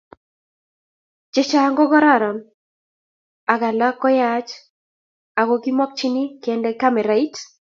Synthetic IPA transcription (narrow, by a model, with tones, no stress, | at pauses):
d͡ʒɛ˦t͡ʃa˦ŋɡɔ˦ɡɔ˦ɾa˦˨ɾa˨m | a˨ɡa˨la˦kːɔ˦jat͡ʃ | a˨ɡɔ˨ɡi˦mɔ˦k̚t͡ʃi˦ni˦kɛndɛ˦ka˦mɛ˨ɾa˨i˦t